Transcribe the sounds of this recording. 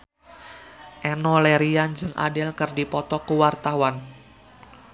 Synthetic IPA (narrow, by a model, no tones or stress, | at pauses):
ʔɛnɔlɛɾiand͡ʒɨŋʔa̰dɪlkərdipɔt̪ɔkuwart̪awan